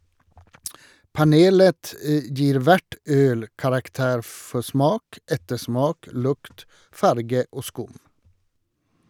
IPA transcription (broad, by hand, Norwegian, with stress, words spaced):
pɑˈneːlət ə ˈd͡ʒiːɾ ˈʋæʈ ˈøːl kɑɾɑkˈteːɾ ˈfɔ ˈsmɑːk ˈɛtəˌsmɑːk ˈlʊkt ˈfɑɾɡə ˈoː ˈskʊm